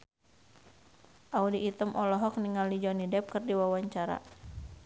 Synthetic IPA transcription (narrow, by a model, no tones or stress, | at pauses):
ʔaudiʔːt̪əmʔɔlɔɦɔk̚niŋalid͡ʒɔnidɛp̚kɨrdiwawaɲt͡ʃaɾa̰